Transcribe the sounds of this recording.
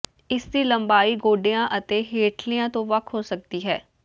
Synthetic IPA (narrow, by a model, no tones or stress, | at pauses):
ɪsd̪iːləmbaːiːɡoːɖejãːʔət̪eːɦeːʈʰlijãːt̪õːʋəkʰɦoːsək̚d̪iːɦɛː